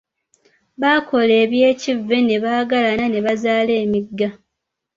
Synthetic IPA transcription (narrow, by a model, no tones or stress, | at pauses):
βaːko̞le̞ːβje̞ːcivːe̞ne̞βaːɡalanane̞βazaːle̞ːmiɡːa